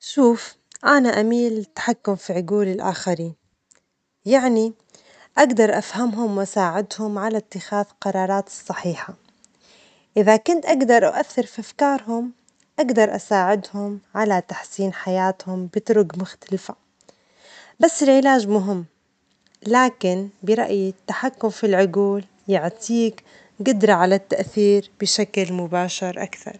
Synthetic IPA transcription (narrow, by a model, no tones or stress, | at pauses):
ʃuːf | ʔanaʔamiːlt̪ːḁħakːʊmfiʕʊɡuːlɪlʔa̰ːxaɾiːn | jaʕni | ʔaɡd̪ɑɾˤʔafhamɦʊmwʔasaːʕɪd̪hʊmʕalat̪ːɪxaːðqɑɾˤɑːɾˤɑːt̪ɨ̥sˤːɑħiːħa | ʔɪðakʊnt̪ʔaɡd̪ɑɾˤʔa̰ʔaθːɪɾfiʔafkɑːɾˤɦʊm | ʔaɡd̪ɑɾˤʔa̰saːʕɪd̪hʊmʕalat̪aħsiːnħajaːt̪hʊmbɪt̪ɾʊɡmʊxt̪alfa | basːɪlʕɪlaːʒmʊɦɪmː | laːkɪnbɪɾˤɑ̰ʔjt̪ːaħakːʊmfilʕʊɡuːl | jɪʕt̪ʰiːk | ɡʊd̪ɾˤɑʕalat̪ːaʔθiːɾb̥ɪʃaklmʊbaːʃɑɾˤʔa̰kθɑ̰ɾˤ